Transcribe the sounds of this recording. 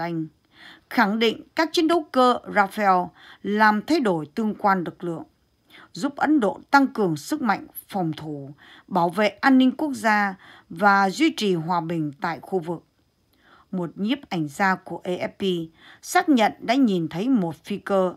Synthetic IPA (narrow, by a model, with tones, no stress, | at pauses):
jŋ̟ | xa˧˩ŋɗḭ˧˨ŋ̟kaː˦˥k̚t͡ɕi˨˦ənɗə˨˦wkəː˧zaː˧fɛ˧w | laː˨˩mt̪ʰa˧jɗo˧˩jt̪ɨ˧əŋkwaː˧nlɨ˨˩k̚lɨ̰˧˨əŋ | zu˦˥p̚ʔə˨˦nɗo̰˧˨t̪a˧ŋkɨ˨˩əŋsɨ˦˥k̚ma̰˧˨jŋ̟ | fɔ˨˩wŋ͡mt̪ʰu˧˩ | ɓaː˧˩wvḛ˧˨ʔaː˧nːï˧ŋ̟ku˦˥ək̚zaː˧vaː˨˩zwi˧t͡ɕi˨˩ɦwaː˨˩ɓï˨˩ŋ̟t̪a̰ː˧˨jxu˧vɨ˨˩k̚ | mo˨˩t̚ɲi˦˥əp̚ʔa˧˩jŋ̟zaː˧ku˧˩əʔe˧ʔɛ˦˥p̚pi˧ | saː˦˥k̚ɲə̰˧˨nɗa̰ː˧˥ɲi˨˩nt̪ʰə˨˦jmo˨˩t̚fi˧kəː˧